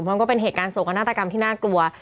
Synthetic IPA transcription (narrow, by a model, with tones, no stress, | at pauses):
pʰɔ˧˥ŋkɔː˥˩pe˧nɦeː˨˩t̪̚kaː˧nso˨˩ŋka˧naː˥˩t̪a˧ka˧mt̪ʰiː˥˩naː˥˩klu˧ɐ